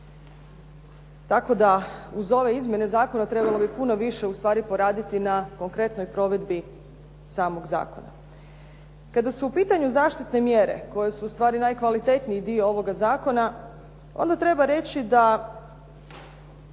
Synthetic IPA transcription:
t̪ako̞d̪auzo̞ʋe̞izmje̞ne̞zaːko̞nat̪ɾe̞balˠobipuno̞ʋiʃe̞ust̪ʋaːɾipo̞ɾaːd̪it̪inako̞ŋkɾe̞t̪no̞jpɾo̞ʋe̞d̪bi | saːmo̞ɡza̰ːko̞̰na̰ | kad̪asuːpiːt̪aɲuzaːʃt̪it̪ne̞mje̞ɾe̞̰ko̞je̞suːst̪ʋaːɾinajkʋalit̪e̞t̪nijid̪ioo̞ʋo̞ɡazaːko̞na | o̞̰nd̪at̪ɾe̞baɾe̞t͡ɕid̪a

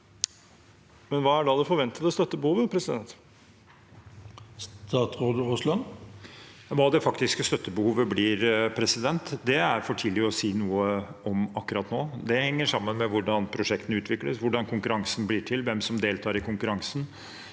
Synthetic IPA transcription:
mɛnʋɑːæɖɑːd̪ɛfɔɾʋɛnt̪ət̪əst̪œt̪ːəbəhuːʋəpʰɾɛsɪd̪ɛnt̪ | st̪ɑːt̪ʁoːd̪əʊslɑn | ʋɑːd̪ɛfɑkt̪ɪskəst̪œt̪ːəbəhuːʋəbliːɾpʰɾɛsɪd̪ɛnt̪d̪ɛæɾfɔʈʰiːlɪəɔsiːnuːəɔmɑkːʉɾɑːt̪noːd̪ɛhɛŋːəʂɑmːənmɛʋʊɖɑnpʰɾʊʂɛkt̪ənəʉːt̪ʰʋɪkləsʋʊɖɑnkʰʊŋkʉɾɑŋsn̩bliːʈʰɪlʋɛmsɔmd̪eːlt̪ʰɑːɾɪkʊŋkʉɾɑŋsn̩

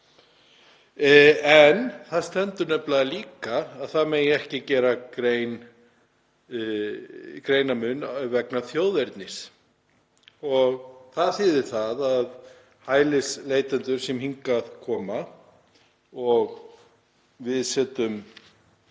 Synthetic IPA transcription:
ɛnθaðst̪ɛnt̪ʏɾnœplaaliːkaːðθaðmeːjɛhcɪcɛːɾakɾejn | kɾeːjnamʏnœvɛknaθjowðɛɾt̪nɪs | ɔɣθaðθɪːðɪɾ̥θaðað | haːjlɪsleːjt̪ɛnt̪ʏɾ̥sɛmhiŋkaðkʰɔːma | ɔɣ | vɪðsɛːt̪ʏm

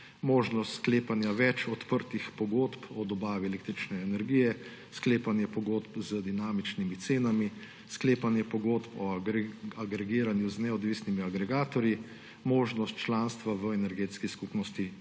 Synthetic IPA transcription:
moːʒnɔst̪skleːpanjaʋɛt͡ʃɔt̪pəɾt̪ixpɔɡoːt̪pɔd̪ɔbaːʋiɛleːk̚t̪ɾit͡ʃnɛɛnɛɾɡijɛ | skleːpanjɛpɔɡoːt̪pzəd̪inaːmit͡ʃnimit̪seːnami | skleːpanjɛpɔɡoːt̪pɔ | aɡɾɛɡiːɾanjuznɛɔd̪ʋiːsnimiaɡɾɛɡaːt̪ɔɾji | moːʒnɔst̪t͡ʃlaːnst̪ʋaʋəɛnɛɾɡeːt̪skiskupnɔst̪i

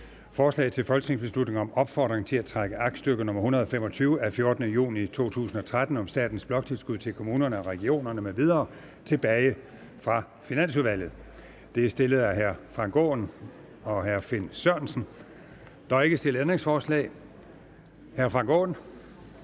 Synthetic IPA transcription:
fɒːslɛ̰ːt͡sʰe̝lfɒ̽lɡ̥sne̝ŋs̬b̥e̝slud̥neŋɒ̽mɒ̽b̥fɒ̰ːd̥ʁeŋt͡sʰe̝læt͡sʰʁaɡ̥əʔɑ̈ɡ̥̚sd̥øɡ̥ənɔ̽mɐhunɐð̞̩ˠɒfem̰ɒ̽t͡sʰyːʊəæfjo̝ɐd̥ənəjṵːnit͡sʰo̝̰ːt͡sʰṵːsn̩ɒ̽t͡sʰʁad̥n̩ɒ̽msd̥ɛ̰ːd̥n̩sb̥lɒ̽ɡ̥t͡sʰe̝lsɡ̥uð̰ˠt͡sʰe̝lkʰo̝muːnɐnəɒʁɛɡ̥io̝̰ːnɐnəmeʋiðˠɐː | t͡sʰe̝b̥ɛːɪ | fʁɑ̈ | finæn̰suðˠʋæl̰ð̩ˠ | d̥e̝æsd̥e̝ləð̩ˠæɦæɐfʁɑ̈ŋɡ̥ɔ̰ːn | ɒ̽ɦæɐfe̝nsøɐ̰nsn̩ | d̥ɒe̝ɡ̥əsd̥e̝ləend̥ʁeŋsfɒːslɛ̰ːɪ | hæɐfʁɑ̈ŋɡ̥ɔ̰ːn

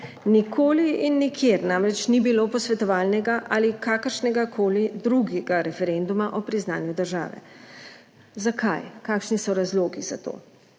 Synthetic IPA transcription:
nikʰoːliinːikʰjeɾnaːmɾɛt͡ʃnibiloːpɔsʋɛt̪ɔʋaːlnɛɡaʔalikaːkəɾʃnɛɡakʰoːlid̪ɾuɡɛɡaɾɛfɛɾɛnd̪umaʔɔpɾiznaːnjud̪əɾʒa̰ːʋɛ̰ | zakʰa̰jkaːkʃnisɔɾazloːɡiz̥a̰t̪o̰ː

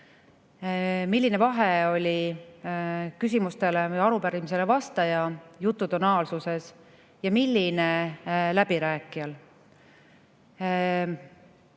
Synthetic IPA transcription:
milːine̞vɑɦe̞o̞lʲi | kys̬ʲimust̪e̞lejɑɾupæɾimise̞le̞vɑst̪ɑjɑjut̪ˑːut̪onɑːlsuse̞s | jɑmilʲːinelæb̥iɾæːkːˑijɑl

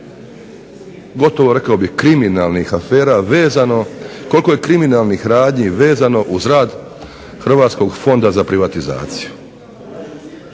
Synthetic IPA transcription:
ɡo̞t̪o̞ʋo̞ɾe̞kaobihkɾiminalˠnixafeːɾaʋeːzanoko̞lko̞jekɾiminaːlˠnixɾaːd̪ɲiʋe̞ːzano̞ʔuzɾaːd̪ | xr̩ʋaːt̪sko̞ɡfo̞nd̪azapɾiʋat̪iza̰ːt̪siju

